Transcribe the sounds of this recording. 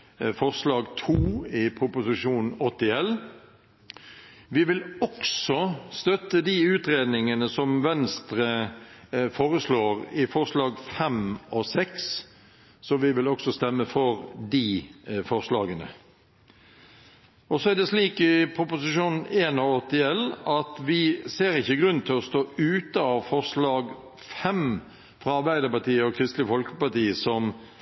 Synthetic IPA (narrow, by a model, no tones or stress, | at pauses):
fɔʁslɑːɡt̪ʰuːɪpʰɾʊpʊsɪʃuːnnɔt̪ːɪɛl | ʋɪʋɪlɔksɔst̪œt̪ːəd̪iʉːt̪ɾeːd̪nɪŋənəsɔmʋɛnst̪ɾə | foːɾəsloːʁɪfɔʁslɑːɡfɛmɔsɛksː | ɔʋɪʋɪlɔksɔst̪ɛmːəfɔɾd̪ɪfɔʁʂlɑːɡənə̰ | ʔɔsɔæd̪ɛsliːkɪpʰɾʊpʊsɪʃuːnn̩eːnɔɔt̪ːɪɛlːɑt̪ʋɪseːɾɪçːəɡɾʉn̩t̪ʰɪlɔst̪oːʉːt̪əɑʋfɔʁʂlɑːɡ | fɛm | fʁɑɑɾbæɪd̪əpɑt̪iːəɔkʰɾɪst̪lɪfɔlkəpɑt̪iːəsɔm